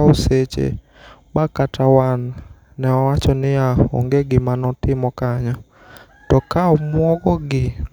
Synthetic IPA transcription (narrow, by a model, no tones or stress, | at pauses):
oset͡ʃḛ | bakatawanː | ɛɔwat͡ʃɔnɪjao̰ŋɡeɡɪmanɔtɪmɔkaɲɔ | tɔkaɔmwɔɡɔɡɪ